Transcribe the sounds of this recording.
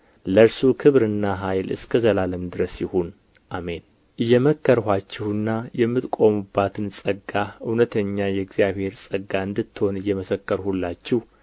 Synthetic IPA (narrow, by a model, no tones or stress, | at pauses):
ləɾsukʰɨβɾɨnːaɦajlɨ̰skʰəzəlaləmd̪ɨɾəsjɪhon | ʔame̞n | ʔɨjːɛməkːəɾhʷat͡ʃːɪhɨnːajɛmːɨt̪kʼo̞mubːat̪ʰɨnsʼəɡːaɨwnət̪ʰəɲːajɛɡzijaβhe̞ɾsʼəɡːaɨnd̪ɨt̪ːho̞nɨjːɛməsəkːəɾhulːat͡ʃːɪh